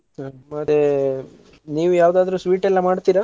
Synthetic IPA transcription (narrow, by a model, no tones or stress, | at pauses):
amɐt̪e | niːʋujaːʋd̪aːd̪ɾusʋiːʈɛlːɐmaːɖt̪iːɾa